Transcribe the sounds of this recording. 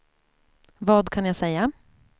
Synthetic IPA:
vɑːd̪kʰanjasɛjːa

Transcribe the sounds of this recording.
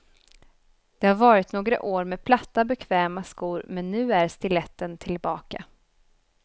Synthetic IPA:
d̪̥ɛhaɾvɑːɾɪt̪noːɡɾa̰ʔoːɾmɛːpʰlat̪ːabɛkʰvɛːmaskuːɾmɛnːʉ̟ːæɾst̪ɪlɛt̪ːənt̪ʰɪlbɑːka̰

